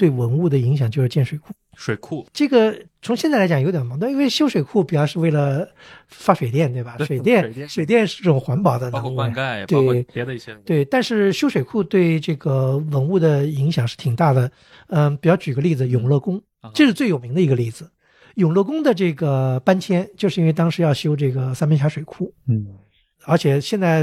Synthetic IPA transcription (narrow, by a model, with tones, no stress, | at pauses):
t̪we˥˩ɪwə˧˥nu˥˩d̪ə˩i˧˥ŋɕjɑ˨˩ŋt͡ɕjo˥˧ʂɻ̩˥˧t͡ɕjɛ˥˩nʂwe˨˩ɪkʰu˥˩ | ʂwe˨˩kʰʈ͡ʂɤ˥˩ɡə˩t͡sʰʊ˧˥ŋɕjɛ˥˧t͡sa˥˩la˧˥t͡ɕɑ˨˩jo˧˥ʊt̪jɑ˨˩mɑ˧˥ŋt̪wi˥we˥˧ɪɕjo˥ʊʂwe˨˩ɪkʰu˥˩pi˨˩t͡ɕjɑ˥˧ʊʂɻ̩˥˧we˥˩ɪlə˩ | fa˥ʂwe˨˩ɪt̪jɛ˥˧nt̪we˥˩ɪbɐ˩ʂwe˨˩t̪jɛ˥˩n˨˩˥ʂwe˨˩ɪt̪jɛ˥˧nʂɻ̩˥˧ʈ͡ʂɤ˥˩ʊ˨˩ŋxwa˧˥npɑ˨˩ʊd̪ə˦nə˧˥ŋu˥˧˩t̪we˥˧˩ɪ˧ | t̪we˥˩ɪt̪a˥˧nʂɻ̩˥˧ɕjo˥ʊʂwe˨˩ɪkʰu˥˧t̪we˥˧ɪʈ͡ʂɤ˥˩ɡə˩wə˧˥nu˥˩d̪ə˩i˧˥ŋɕjɑ˨˩ŋʂɻ̩˥˩t̪ʰi˨˩ŋt̪a˥˩d̪ə˩ | ə˥˧˩pi˨˩t͡ɕjɑ˥˩ʊt͡ɕy˨˩ɡə˦li˥˩d͡zɹ̩˩jʊ˨˩ŋlɤ˥˩kʊ˥ŋ | ʈ͡ʂɤ˥˧ʂɻ̩˥˧t͡swe˥˩jo˨˩mi˧˥ŋd̪ə˧i˧˥ɡə˧li˥˩d͡zɹ̩˩ | jʊ˨˩ŋlɤ˥˩kʊ˥ŋd̪ə˨ʈ͡ʂɤ˥˩ɡə˩pa˥nt͡ɕʰjɛ˥nt͡ɕjo˥˧ʂɻ̩˥˧i˥wɪt̪ɑ˥ŋʂɻ̩˧˥jɑ˥˧ʊɕjo˥ʊʈ͡ʂɤ˥˩ɡə˩sa˥nmə˧˥nɕja˧˥ʂwe˨˩ɪkʰu˥˩ | ə˞˧˥t͡ɕʰjɛ˨˩ɕjɛ˥˧nt͡sa˥˩ɪ